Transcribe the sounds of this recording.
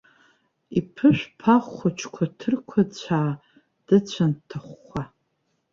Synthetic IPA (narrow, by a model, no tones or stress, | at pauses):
ipʰɨʃʷᶣpʰaχʷat͡ʃʰkʷʰatʰɨrkʷʰat͡ɕʷʰaː | d̥ɨt͡ɕʷʰantʰɨχʷːa